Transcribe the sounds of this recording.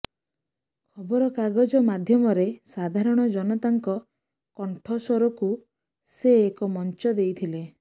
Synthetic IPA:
kʰɔbɔɾɔkaɡɔd͡ʒɔmad̪ʱjɔmɔɾesad̪ʱaɾɔɽ̃ɔd͡ʒɔnɔt̪aŋkɔ | kɔɳʈʰɔsɔɾɔku | seːkɔmɔnt͡ʃɔd̪ejt̪ʰile

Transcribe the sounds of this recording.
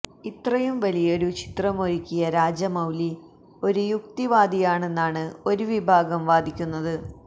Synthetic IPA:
it̪rɐjumʋɐlijɐo̞ɾut͡ɕi̥t̪rɐmoɾikʲːijɐɾaːd͡ʑɐmɐwli | o̞ɾujuk̚t̪iʋaːd̪ʱijaːɳe̞nːaːɳɨo̞ɾuʋibʱaːɡɐmʋaːd̪ʱikʲːunːɐðɨ

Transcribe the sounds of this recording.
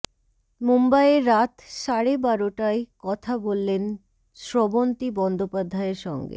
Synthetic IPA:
mumbajeɾːat̪ʃaɽebaɾoʈaekɔt̪ʰabolːen | ʃɾɔbont̪ibɔnd̪opad̪ʱaeɾʃɔ̰ŋɡḛ

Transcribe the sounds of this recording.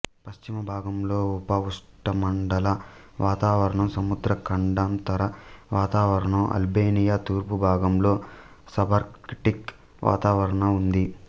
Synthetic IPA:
pɐʃt͡ʃimɐbʱaːɡɐmlo̞ːupɐuʂʈɐmɐɳɖɐlɐ | ʋaːt̪aːʋɐɾɐɳɐmsɐmud̪ɾɐkɐɳɖaːmt̪ɐɾɐʋaːt̪aːʋɐɾɐɳɐmʔɐ̰lbeːnijaːt̪uːɾpubʱaːɡɐmlo̞ː | sɐbʱɐɾkʈik | ʋʔa̰ːt̪aːʋɐɾɐɳɐund̪i

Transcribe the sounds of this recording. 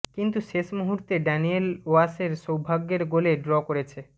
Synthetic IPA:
kint̪uʃeʃmuɦuɾt̪eɖanieloaseɾʃowbʱaɡːeɾɡoleɖɾɔkoɾet͡ɕʰe

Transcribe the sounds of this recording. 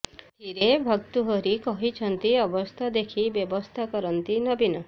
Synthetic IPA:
t̪iɾebʱɔk̚t̪uɦɔɾikɔɦit͡ʃʰɔnt̪iɔbɔst̪ʰad̪ekʰibjɔbɔst̪ʰakɔɾɔnt̪inɔbinɔ

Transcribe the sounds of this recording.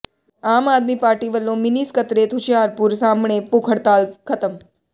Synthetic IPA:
aːmaːd̪mipaːɾʈiʋəlːõmɪniskət̪ɾet̪ʰʊt͡ʃaːɾpuɾsaːmɳepukʰəɽt̪aːlkʰɐt̪əm

